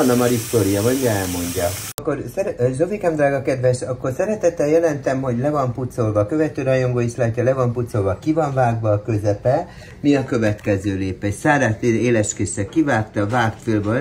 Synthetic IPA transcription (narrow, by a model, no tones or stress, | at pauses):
nːɒmɒɾist̪oːɾijɒmɒjɡɛɛlmo̞ɲɟɒɒkːo̞rsɛʒovikɛmd̪raːɡɒkɛd̪ʋɛʃɒkːo̞rsɛɾɛt̪ɛt̪ːɛjɛlɛnt̪ɛmho̞ɟlɛvɒmput̪solvɒkøvɛt̪øːɾɒjoŋɡoːiʃlaːcːɒlɛvɒmput̪so̞lvɒkivɒɱvaːɡʋɒːkø̞zɛpɛ | miɒkø̞vɛt̪kɛzøːleːpɛcsaːɾaːt̪eeːlɛʃkeːʃɛkivaːkt̪ɒvaːk̪filbøl